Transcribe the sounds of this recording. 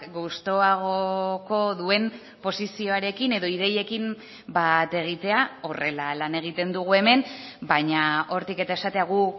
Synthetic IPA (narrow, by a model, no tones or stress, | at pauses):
ɡust̪o̞aɣ̞o̞ko̞ðue̞m | po̞sisio̞aɾe̞kine̞ðo̞iðe̞je̞kim | bat̪e̞ɣ̞it̪e̞ao̞re̞lalane̞ɣ̞it̪e̞nd̪uɣ̞ue̞me̞nbaɲao̞ɾt̪ike̞t̪ae̞sat̪e̞aɣ̞u